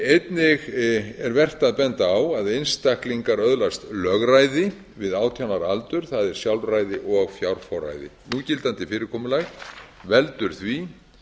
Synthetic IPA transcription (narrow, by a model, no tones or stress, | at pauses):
ejt̪nɪɣɛɾvɛr̥t̪aðpɛnt̪aːwaðejnst̪ahkliŋkaɾœðlast̪lœːɣrajðɪ | vɪðaːwt̪ʰjawnaɾalt̪ʏɾ̥θaðɛɾ̥sjawlrajðɪʔɔɣɣfjawɾ̥fɔwɾa̰jðɪ̰nucɪlt̪ant̪ɪfɪːɾɪɾkʰɔːmʏlaɣvɛlt̪ʏɾ̥θvi